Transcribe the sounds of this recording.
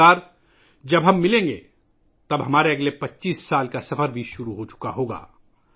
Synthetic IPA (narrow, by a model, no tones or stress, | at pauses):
aːɾ | d͡ʒɐbɦɐmːɪlẽːŋɡe | t̪ɐbɦɐmaːɾeɐɡlepɐtːʃiːsːaːlkasɐfəɾbʱiʃʊɾuɦot͡ʃʊ̥kaɦoːɡa̰ː